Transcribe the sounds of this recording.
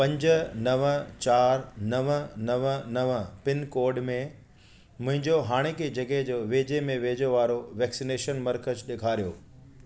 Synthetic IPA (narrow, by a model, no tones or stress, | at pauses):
pɐ̃ɲd͡ʑʊ̆nɐʋət͡ɕaːɾnɐʋənɐʋənɐʋpɪnkoːɾɖmẽ | mʊ̃ɦɪ̃ɲd͡ʑoɦaːɽ̃ekʰed͡ʑɐɡəɦd͡ʑoːʋeːd͡ʑemẽʋeːd͡ʑoʋaːɾoʋɛːksineːʃənmɐɾkəsɗeːkʰaːɾijo̰ː